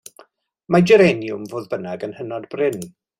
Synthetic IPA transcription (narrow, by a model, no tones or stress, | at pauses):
mad͡ʒɛɾɛnjʊmvoːðbənaɡənhənɔdbrɪn